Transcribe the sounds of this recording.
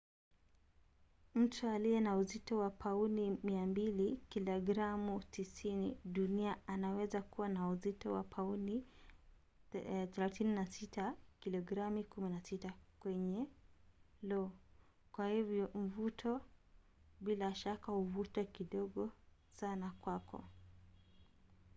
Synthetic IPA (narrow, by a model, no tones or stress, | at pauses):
m̩tʰualiɛnauzitɔwapʰaunimiambilikilɔɡɾamutisiniɗuniaanawɛzakuwanauzitɔwa̰pʰauni | θɛlaθininasitakilɔɡɾamikuminasitakwɛɲɛ | lɔː | kwahivjɔɱ̩vutʰɔ | ɓilaʃakahuvutwɛkiɗɔɠɔ | sanakwakɔ̰